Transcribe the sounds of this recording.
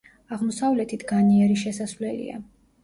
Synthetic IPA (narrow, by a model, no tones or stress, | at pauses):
aʁmɔsavlɛt̪ʰit̪ʰɡaniɛɾiʃɛsasvlɛlḭa̰